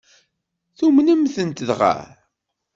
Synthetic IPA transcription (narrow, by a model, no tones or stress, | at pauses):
θumnəmθənt̪ðʁæ̰